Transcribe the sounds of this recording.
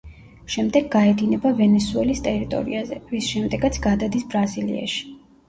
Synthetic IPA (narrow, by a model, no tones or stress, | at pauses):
ʃɛmd̪ɛɡːaɛd̪inɛbavɛnɛsuɛlist̪ʼɛɾit̪ʼɔ̰ɾḭazɛvisʃɛmd̪ɛɡat̪sʰɡad̪ad̪isbɾazilḭa̰ʃi̥